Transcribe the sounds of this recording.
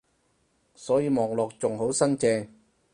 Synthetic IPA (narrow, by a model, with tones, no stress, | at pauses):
sɔː˨˥jiː˨˧mɔː˨˩ŋlɔː˨k̚t͡sʊ˨ŋɦo˨˥wsɐ˥nt͡sɛː˧